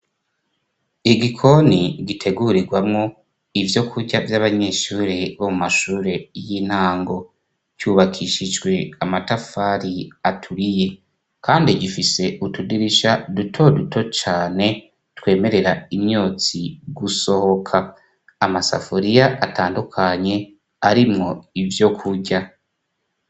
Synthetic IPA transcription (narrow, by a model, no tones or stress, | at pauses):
iɡikʰo̞niɡitʰe̞ɡuɾiɡwamŋo̞ | ivjo̞kʰuɾɟavjaβaɲe̞ːʃuːɾeβomumaʃuːɾe̞jiːn̥haːŋɡo̞ | cuːβakʰiʃid͡ʒɡwe̞amatafaːɾiatʰuɾije̞ | kaːndiɟifise̞ʔutudiɾiʃadutʰo̞dutʰo̞t͡ʃaːne̞ | tkwe̞ːme̞ɾe̞ɾaimɲo̞ːt͡siɡuso̞ho̞kʰaː | masa̰foɾijaʔataːndukʰaɲe̞ | aɾimŋo̞ivjo̞kʰuɟa